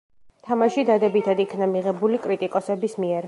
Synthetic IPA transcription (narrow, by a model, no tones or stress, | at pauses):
t̪ʰamaʃid̪ad̪ɛbit̪ʰad̪ikʰnamiʁɛbulikʼɾit̪ʼikʼɔsɛbismiɛɾ